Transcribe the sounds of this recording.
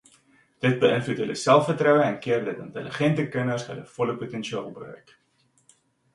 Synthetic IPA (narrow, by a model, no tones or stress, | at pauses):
d̥ət̚bəənflutɦələsælˠfərtrœwəɛnkiərdətəntələχɛntəkənərsɦə̰ləfɔləputɛnʃiɑːlˠbrø̰ːk